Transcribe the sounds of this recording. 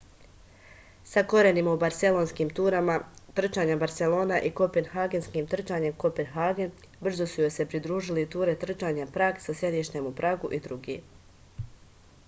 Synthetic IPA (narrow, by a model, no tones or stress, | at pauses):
sako̞ɾenimaubaɾt̪se̞lˠo̞nskiːmt̪uːɾamat̪r̩t͡ʃaɲebaɾt̪se̞lo̞ːnaʔiko̞penɦaːɡe̞nskiːmt̪r̩t͡ʃaːɲe̞mko̞pe̞nɦaɡen | br̩zo̞sujo̞jse̞pɾid̪ɾuːʒilit̪uːɾe̞t̪r̩t͡ʃaːɲapɾaːɡsasje̞d̪iʃt̪emupɾʔaːɡuʔid̪ɾuɡḭː